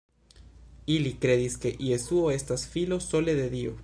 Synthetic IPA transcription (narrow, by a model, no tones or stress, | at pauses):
ilikɾeðiskeʔiesuoest̪asfilosoleðeðio